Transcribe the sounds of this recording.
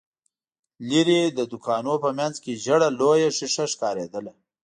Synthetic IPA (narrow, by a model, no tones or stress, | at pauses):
liɾed̪əd̪ʊkʰɑnopəmjanzkeʒəɽalojaʂɪʂaʂkɑɾed̪əla